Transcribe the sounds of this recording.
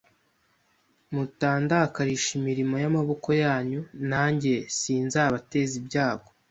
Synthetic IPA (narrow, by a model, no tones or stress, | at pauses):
mutaːndakaɾiʃimiɾimo̞jamaβo̞ko̞jaːɲunaːɲɟe̞siːnzaːβate̞zibɟaːɡ̥o